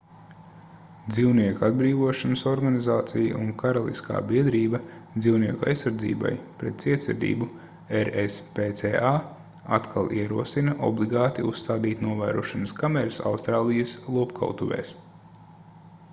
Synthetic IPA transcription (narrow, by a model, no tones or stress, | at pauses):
d̪ziwniɛkad̪̚bɾiːvuɔʃanəsɔɾɡanizaːt̪sija̰ʔuŋkaɾalˠḭskʰa̰ːbiɛd̪ɾiːbɐd̪ziwniɛkua̰jsːaɾd̪zḭːba̰jpɾɛt̪̚siɛt̪sɛɾd̪ḭːbu | eɾespet̪seːa | a̰t̪kʰa̰lˠʔiɛɾuɔsinɐʔɔ̰blˠiɡaːt̪iust̪aːd̪iːt̪nuɔvæːɾuɔʃanəskamɛɾəsa̰wst̪ɾaːlˠijɐslˠuɔpkʰa̰wt̪uʋɛ̰ːs